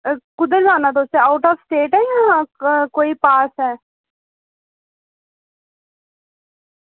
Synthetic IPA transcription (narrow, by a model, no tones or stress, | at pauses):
kʊd̪əɾzaːnat̪̬oːseaʊʈɔːʋsʈeːʈɦɛjãːkoːipaːsɦɛː